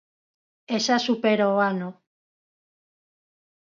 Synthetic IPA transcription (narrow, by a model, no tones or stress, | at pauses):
esasupeɾoano